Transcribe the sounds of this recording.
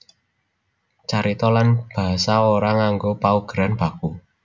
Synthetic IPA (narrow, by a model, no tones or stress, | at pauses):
t͡ʃaɾit̪ɔlanb̥a̤saoɾaŋaŋɡopauɡ̥əɾanb̥a̤ku